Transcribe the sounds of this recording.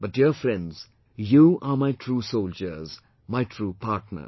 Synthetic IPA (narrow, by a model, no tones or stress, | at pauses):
b̥ʌt̚diəfɾɛ̃nɖz | juːamajtʰɾuːsold͡ʒəɾz | maɪʈʰɾuːpʰaʈnə̰